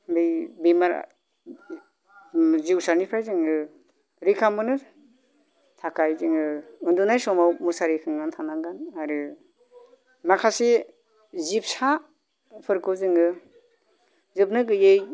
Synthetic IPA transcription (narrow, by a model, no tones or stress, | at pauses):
bijbimaɾ̰ | ziwsanipʰajzɯŋɯ | ɾikʰamɯnɯ | tʰakajzɯŋɯɯndunajsɔmawmusaɾikʰɯŋɡantʰanaŋɡanaɾɯ | makʰase | zip̚sa | pʰɯɾkʰɯzɯŋɯ | zɯp̚nɯɡɯjej